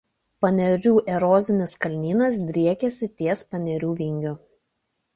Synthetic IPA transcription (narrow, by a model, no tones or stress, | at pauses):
pɐnʲɛɾʲuːʔɛɾɔːzʲɪnʲɪskɐlʲnʲiːnɐsd̪ʲɾʲiɛkʲɛsʲɪt̪ʲiɛspɐnʲɛɾʲuːʋʲiŋʲɡʲʊ